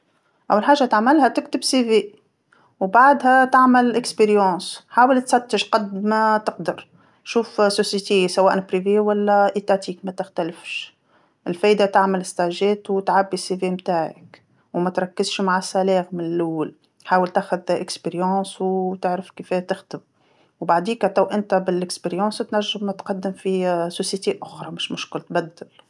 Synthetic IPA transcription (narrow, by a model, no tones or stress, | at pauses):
ʔæwːalħaːʒːat̪aʕmɪlhæt̪ɪkt̪ɪbsiveː | wbaʕd̪ɦæt̪aʕmɪlʔɪkspeɾjɑ̃ːsħaːwəlt̪sɑt̪ːɪʃqɑd̪mæt̪ɪqd̪ɑɾˤ | ʃuːfsosjet̪isawæːʔnapɾivewælːæʔet̪at̪iːkmæt̪ɪxt̪ælɪfʃ | ɪlfɛːʔd̪at̪aʕmɪlɪst̪aʒɛːt̪wt̪ʕabːisivemt̪aːʕɪ̰k | wmæt̪ɾˤɑkːɪzʃmaʕasælɛːɣmɪnɪlʔʊwːal | ħaːwəlt̪aːxʊðʔɪkspeɾjɑ̃ːswt̪ɪʕɾəfkifɛt̪ɪxt̪ɪm | wbaʕd̪iːkt̪awʔɪnt̪æbɪlɪkspeɾjɑ̃ːst̪næʒːɪmːt̪qɑd̪ːɪmfisosjet̪eʔʊxɾˤɑmɪʃmʊʃkʊlt̪bæd̪ːɪl